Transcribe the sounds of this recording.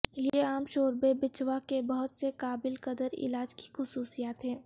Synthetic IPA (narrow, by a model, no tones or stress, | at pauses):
jeaːmʃoːɾbebɪt͡ʃwakebɔɦʊt̪sekaːbɪlkəd̪əɾɪ̰laːd͡ʒki̥xʊsuːsijaːt̪ɦɛ̃ː